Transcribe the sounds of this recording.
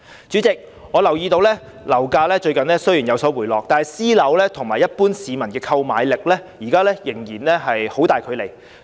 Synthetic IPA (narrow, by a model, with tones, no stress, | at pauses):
t͡ʃy˨˥t͡sɪ˨k̚ | ŋɔː˨˧lɐ˨˩wjiː˧t̪o˧wlɛː˥ | lɐ˨˩wkaː˧lɛː˥t͡ʃɵ˧ɥkɐ˨nlɛː˥sɵ˥ɥjiː˨˩njɐ˨˧wsɔː˨˥wuː˨˩jlɔː˨k̚t̪aː˨nhɐ˨jsiː˥lɐ˨˥wlɛː˥t̪ʰʊ˨˩ŋmaː˨˩jɐ˥t̚puː˥nsiː˨˧mɐ˨˩nkɛː˧kʰɐ˧wmaː˨˧jlɪ˨k̚lɛː˥jiː˨˩kaː˥lɛː˥jɪ˨˩ŋjiː˨˩nlɛː˥ɦɐ˨jho˨˥wt̪aː˨jkʰɵ˨˧ɥle˨˩j